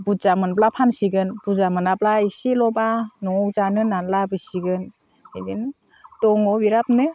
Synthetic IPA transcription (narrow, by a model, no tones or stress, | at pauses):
buzamɯnblapʰansiɡɯnbuzamɯnablaisilɔbanɔŋɔwzanɯnanlabɯsiɡɯn | edin | tɔŋɔbiɾap̚nɯ